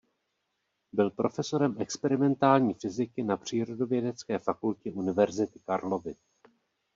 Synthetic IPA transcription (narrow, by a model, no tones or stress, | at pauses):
bɪlpɾʔo̞fɛso̞ɾɛmʔɛkspɛɾɪmɛnt̪aːlɲiːfɪzɪkɪnapr̝̥iːɾo̞do̞vjɛdɛt͡skɛːfakulcɛʔunɪvɛɾzɪt̪ɪ̥kaɾlo̞vɪ